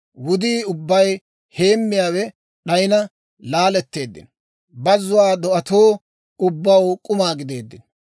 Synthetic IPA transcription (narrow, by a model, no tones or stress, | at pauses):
wʊd̪iːʊbːɐj | he̞ːmːɪjaːwɛ | ɗɐjɪnɐ | laːlɛt̪ːe̞ːd̪ːɪ̰n | bɐzːʊwaːd̪ɔʔɐt̪oː | ʊbːɐwkʼʊmaːɡɪd̪e̞ːd̪ːɪn